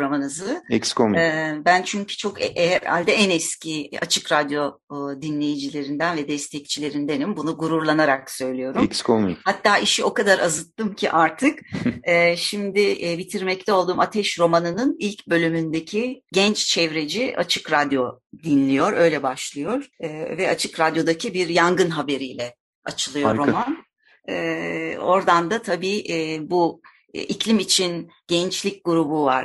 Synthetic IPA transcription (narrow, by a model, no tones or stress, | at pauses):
ɾamanɯzɯɛkskomːbænt͡ʃʰyɲcʰy̥t͡ʃʰo̞kɛʔɛɾa̰lʲd̪ɛɛnɛscʰia̰t͡ʃʰɯkɾad̪jo̞ | d̪inlʲe̞jid͡ʒilʲe̞ɾind̪ænvɛd̪ɛst̪ʰɛc̚t͡ʃʰilʲe̞ɾind̪enimbunuɡuɾuɾlˠanaɾaksø̞jlʲijo̞ɾuɛmkskʰomḭhat̪ʰːaːʔiʃio̞kad̪aɾʔazɯt̪ʰːɯmcʰḭʔaɾt̪ʰɯkɛːʃimd̪ɪbit̪ʰiɾmɛct̪ʰɛolˠd̪uːmʔat̪ʰɛʃɾo̞manɯnɯnilʲcbø̞lʲymynd̪ecʰiɟɛnt͡ʃt͡ʃʰɛvɾe̞d͡ʒiʔa̰t͡ʃʰɯkɾad̪jo̞d̪inlʲijo̞ɾø̞jlʲɛbaʃlˠɯjo̞ɾ̥ːvɛat͡ʃʰɯkɾad̪jo̞d̪acʰibiɾjaŋɡɯnɦabe̞ɾijlʲɛ | at͡ʃʰɯlˠɯjoɾɾːo̞manː | o̞ɾd̪and̪at̪ʰabiːʔbu | icʰlʲimit͡ʃʰin | ɟ̥ɛnt͡ʃlʲic̚ɡuɾubuva̰ɾ